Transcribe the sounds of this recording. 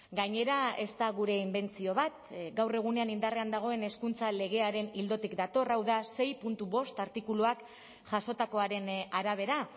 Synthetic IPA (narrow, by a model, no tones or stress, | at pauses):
ɡaɲe̞ɾae̞st̪aɣuɾe̞imbe̞nt͡sio̞βat̪ɡawre̞ɣ̞une̞anind̪are̞and̪aɣ̞o̞e̞ne̞skunt͡sale̞ɣ̞e̞aɾe̞nild̪o̞t̪ikd̪at̪o̞rawðase̞jpunt̪uβo̞st̪aɾt̪ikuluak | ʝaso̞t̪ako̞aɾe̞naɾaβe̞ɾa